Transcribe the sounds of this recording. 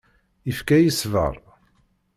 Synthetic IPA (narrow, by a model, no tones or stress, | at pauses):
ifkæjisvə̰ɾˤ